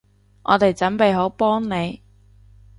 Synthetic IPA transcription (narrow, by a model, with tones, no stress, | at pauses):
ŋʔɔ̰ː˨˧t̪e˨jt͡sɐ˨˥npe˨jɦo˨˥wpɔː˥ŋne˨˧j